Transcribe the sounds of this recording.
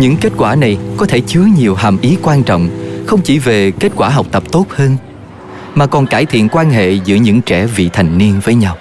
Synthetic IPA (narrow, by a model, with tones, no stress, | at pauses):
ɲɨ̰˧˥ŋke˦˥t̚kwaː˧˩na˨˩jkɔ˨˦t̪ʰe˧˩t͡ɕɨ˨˦əɲi˨˩əwɦaː˨˩mʔi˨˦kwaː˧nt͡ɕɔ̰˧˨wŋ͡mxə˧wŋ͡mt͡ɕi˧˩ve˨˩ke˦˥t̚kwaː˧˩ɦa˨˩wk͡p̚t̪ə˨˩p̚t̪o˦˥t̚həː˧n | maː˨˩kɔ˨˩nkaː˧˩jt̪ʰḭ˧˨ənkwaː˧nɦḛ˧˨zɨ̰˧˥əɲɨ̰˧˥ŋt͡ɕɛ˧˩vḭ˧˨t̪ʰa˨˩jŋ̟ni˧ənvəː˨˦jɲa˧w